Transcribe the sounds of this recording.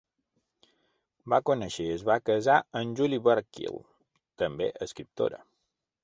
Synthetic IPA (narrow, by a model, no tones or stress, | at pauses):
bakunəʃeəzβakəzaənʲʒuliβəɾkḭlˠ | t̪əmbḛʔəskɾip̚t̪o̰ɾə̰